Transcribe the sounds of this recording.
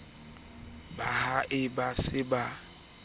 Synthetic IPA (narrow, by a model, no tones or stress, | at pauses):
bahaʔɪbasɪba